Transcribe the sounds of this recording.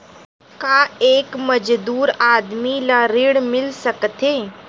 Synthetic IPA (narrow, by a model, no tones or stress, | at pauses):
kaeːkmɐd͡ʒd̪uːɾaːd̪milaɾɪɽmɪlsɐkt̪eː